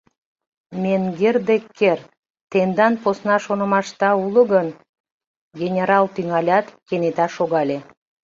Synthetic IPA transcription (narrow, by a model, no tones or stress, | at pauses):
mʲenɡerd̪ekːer | t̪end̪ɑnposnɑʃonə̆mɑʃt̪ɑulˠə̆ɡən | ɡʲenʲeɾɑlˠt̪yŋɑlʲɑt̪kʲenet̪ɑʃoɡɑlʲe